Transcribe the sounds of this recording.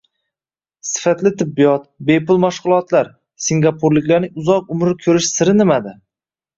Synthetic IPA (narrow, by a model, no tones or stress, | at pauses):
sɪ̥fat̪lɪt̪ʰɪbːɪjɒt̪̚bepʊlˠmaʃqʊlˠɒt̪ʰlaɾ | siŋɡʲapʰoɾlɪkʲlaɾnɪŋʊzɒq̚ʊmɾɪkʲʰɵɾɪʃsɪɾɪnɪmad̪ɪ